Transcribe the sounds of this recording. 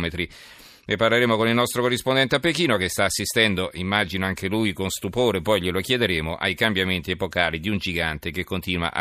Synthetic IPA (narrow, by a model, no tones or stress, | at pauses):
met̪ɾi | nepːarleɾeːmokonilnɔst̪ɾokorːispond̪ɛnt̪eapːekiːnokest̪aːsːist̪ɛnd̪oʔimːad͡ʒinoaŋkʰelujkonst̪upoːɾepɔjʎelokjed̪eɾeːmoʔa̰jkambjament̪iepokaːlid̪iund͡ʒiɡant̪ekekːont̪iːnwa̰ʔa̰